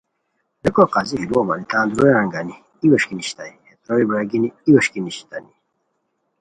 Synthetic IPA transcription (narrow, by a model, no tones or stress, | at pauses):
d̪ekoqaːziɦiluoma̰nit̪ãːnd̪ɾojãŋɡani | iwɐɕkiniɕt̪aihet̪ɾoibɾaɡiniiwoɕkiniɕi̥t̪ani